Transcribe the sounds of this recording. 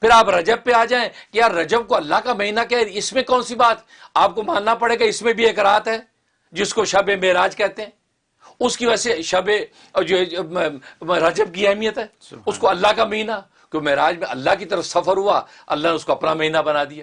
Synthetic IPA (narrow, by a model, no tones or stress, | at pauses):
pʰɪɾaːpɾɐd͡ʒəb̚peaːd͡ʒaːẽkejaːɾːɐd͡ʒəb̚koɐlːakamɐɦiːnakɛɾɪsmẽkɔːnsibaːt̪ | aːp̚komãːnːapɐɽeːɡaɪsmẽbʱieːkɾaːt̪ɦɛː | d͡ʒɪskoʃɐbẽmeːɾaːd͡ʒkɛːt̪eɦɛ̃ː | ʊskiʋɛseʃɐbe | d͡ʒo | ɾɐd͡ʒəb̚kiɛɦmijət̪ɦɛː | ʊskoɐlːakamɐɦiːna | kjõːmɛːɾaːd͡ʒmẽɐ̰lːaɦkit̪əɾəfsɐfəɾɦua | ɐ̰lːaneʊskoɐpnamɐɦiːnabɐnaːd̪ijaː